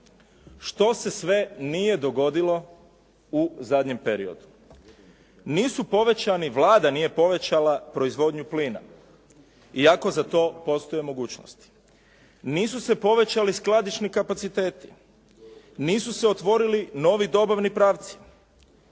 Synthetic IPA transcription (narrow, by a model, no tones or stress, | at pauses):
ʃt̪o̞se̞sʋe̞nije̞d̪o̞ɡo̞d̪ilo̞ | uzad̪ɲe̞mpe̞ɾḭo̞̰d̪u | niːsupo̞ʋe̞t͡ɕaniʋlˠaːd̪anije̞po̞ʋe̞t͡ɕalapɾo̞izʋo̞d̪ɲupliːna̰ | iako̞zat̪o̞ːpo̞st̪ojemo̞ɡuːt͡ɕno̰st̪i̥ | niːsuse̞po̞ʋe̞t͡ɕalisklˠad̪it͡ʃnikapat̪sit̪e̞ːt̪i̥ | niːsuseo̞t̪ʋo̞ɾilino̞ʋid̪o̞baʋnipɾaːʋt̪si̥